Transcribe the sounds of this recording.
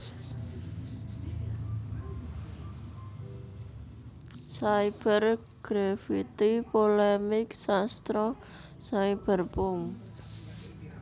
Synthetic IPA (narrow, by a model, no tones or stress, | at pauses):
saib̥ər | ɡ̥ɾafit̪ipolemɪksast̪ɾɔ | saib̥ə̤rpʊŋ